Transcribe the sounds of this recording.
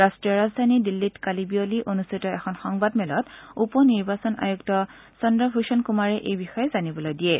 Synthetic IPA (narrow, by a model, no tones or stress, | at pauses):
ɹastɹijɔɹazdʱanidilːitkalibioliʔonustʰitɔɛxʰɔnxɔŋbadmɛlɔtupɔniɹbasɔna̰juktɔ | sɔndɔbʱusɔnkumaɹɛʔejbixɔjɛzanibɔlojdiɛ